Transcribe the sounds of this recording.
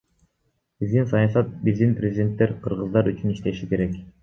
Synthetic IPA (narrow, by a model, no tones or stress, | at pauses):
bizd̪insɑjɑsɑt̪̚bizd̪inprʲezʲdʲe̞nt̪ːeɾqʰɯɾʁɯzd̪ɑɾyt͡ʃyniʃt̪eʃike̞ɾek